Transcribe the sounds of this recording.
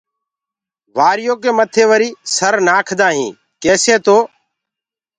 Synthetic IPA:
ʋaːɾɪjõːkeːmət̪ʰeːʋəɾiːsəɾnaːkʰd̪ãːɦĩː | keːseːt̪oː

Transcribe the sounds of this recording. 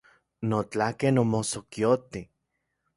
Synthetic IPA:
not͡ɬakenomosokjot̪i

